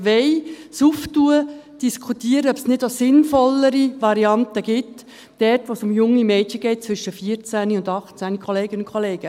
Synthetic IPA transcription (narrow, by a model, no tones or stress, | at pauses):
ʋɛjsuftuə | d̥iskʰχutiːəɾəœpsnɪdosɪnfɔləɾiʋɑɾiɑntəɡ̥ɪt | d̥ɛrtʋosʊmjʊŋːimɛːtçəɡ̥ɛɪt̚t͡sʋʏʃəfiəɾt͡sæniʊndɑχt͡sænikʰχɔleːɡənʊnkʰχoleːɡ̥ə